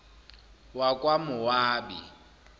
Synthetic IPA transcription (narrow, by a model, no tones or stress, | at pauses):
wakʼwamʊwaːbḭ